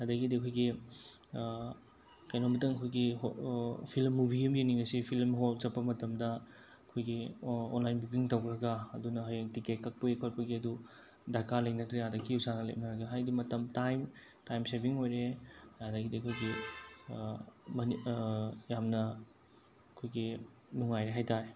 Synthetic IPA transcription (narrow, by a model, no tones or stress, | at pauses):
adɐɡidiɐkʰojɡi | kɐjnombɐtɐŋɐkʰojɡiopʰilmːubʱijɐmjeniŋɐsipʰilmɦolt͡ʃɐpːɐmɐtɐmdɐ | ɐkʰojɡio̰nlajnbukiŋtɐwkɾɐɡɐɐdunɐɦɐjaŋtiket̚kɐk̚pɐekʰot̚pɐɡiɐdu | daɾkalɐjk̚nɐtɾejadɐkʰːiusanɐlḛjp̚nɐɾɐɡɐɦajdimɐtɐmtajm | tajmsebiŋojɾejadɐɡidiɐkʰojɡi | mɐn | jamnɐ | ɐkʰojɡi | nuŋajɾeɦajtaɾe